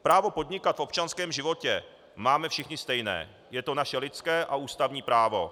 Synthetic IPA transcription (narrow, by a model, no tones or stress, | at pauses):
pɾaːvo̞po̞d̪ɲɪkat̪fo̞p̚t͡ʃanskɛːmʒɪvo̞cɛ | maːmɛfʃɪxɲɪst̪ɛjnɛ̰ː | jɛt̪o̞naʃɛlɪt̪skɛːʔauːst̪avɲiːpɾaːvo̞